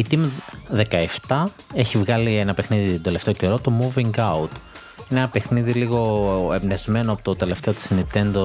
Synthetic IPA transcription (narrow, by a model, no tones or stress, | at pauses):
it̪imiðe̞kɐeft̪ɐ | e̞çivɣɐlienɐpexniðit̪od̪e̞left̪e̞oce̞ɾo̞t̪o̞muviŋɡɐut̪ | inenɐpe̞xniðiliɣo̞emnezme̞noɐpot̪ot̪e̞le̞ft̪e̞o̞t̪i̥snit̪e̞nd̪o